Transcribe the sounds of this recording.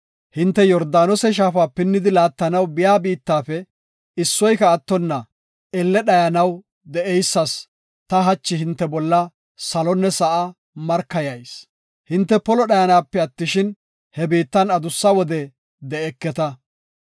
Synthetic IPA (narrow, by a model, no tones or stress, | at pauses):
hɪnt̪ːɛjɔɾd̪aːnɔsɛʃ̬aːfaːpɪnːɪd̪ɪlaːt̪ːɐnɐwbɪjaːbiːt̪ːaːfɛ | ɪsːɔjkɐːt̪ːɔnːɐ | ɛlːɛɗɐjɐnɐw | d̪ɛʔɛjsːɐs | t̪ɐɦɐt͡ʃːɪɦɪnt̪ːɛbɔlːɐ | sɐlɔnːɛsɐʔɐ | mɐɾkːɐjɐjs | hɪnt̪ːɛpɔlɔɗɐjɐnaːpːɛɐt̪ːɪʃɪn | hɛbiːt̪ːɐnɐd̪ʊsːɐwɔd̪ɛ | d̪ɛɛkːɛt̪ɐ